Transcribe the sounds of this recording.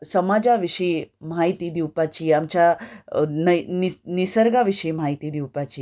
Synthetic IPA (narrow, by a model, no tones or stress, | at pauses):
səmad͡ʑaʋiʂəemaɦit̪id̪iwpat͡ɕiamt͡ɕa | nɐninisəɾɡaʋiʂəimaɦit̪id̪iwpat͡ɕi